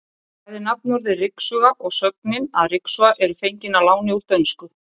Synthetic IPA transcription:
ajðɪnap̚nɔɾðɪrɪksʏɣaʔɔɣsœk̚nɪnaðrɪksʏaʔɛɾʏfejɲcɪnalaːwnɪuɾ̥t̪œnskʏ

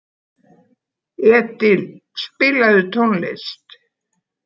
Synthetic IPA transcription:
ɛːt̪ɪlspɪlaðʏt̪ʰonlḛst̪

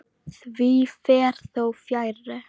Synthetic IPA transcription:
θviːfeːɾθowfjajɾə

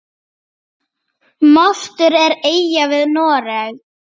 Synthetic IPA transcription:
mɔl̥t̪ʏɾɛɾeːjjavɪðnɔːɾɛɣ

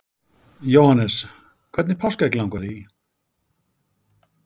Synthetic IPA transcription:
jowhanːɛs | kʰvɛt̪nɪpʰawskaɛklãwŋkaɾði

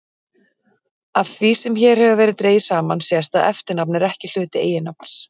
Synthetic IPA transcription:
avθvisɛmçɛːɾ̥hɛvʏvɛːɾɪðt̪ɾeːjɪsaːmansɛst̪aðɛft̪ɪɾnapnɪɾɛhcɪl̥ʏːt̪ɪḛːjɪnap̚naɾ̥s

